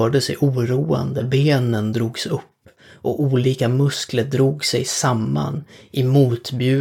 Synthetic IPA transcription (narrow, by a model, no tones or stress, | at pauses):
œːɖəsɛ̰jʔuːɾuːa̰nd̪əbeːnənd̪ɾuːɡsɵpː | ʔɔuːliːkamɵskləɾɖ̪ɾuːɡsɛjsamːa̰nʔɪmuːt̪bjʉ̟ː